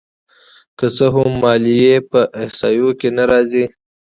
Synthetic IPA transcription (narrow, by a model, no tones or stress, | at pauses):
kət͡səɦʊmːɑːlijepəʔɪhsɑːjokenaɾɑːzi